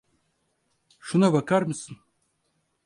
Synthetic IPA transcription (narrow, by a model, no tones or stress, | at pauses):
ʃunavakaɾmɨsɨn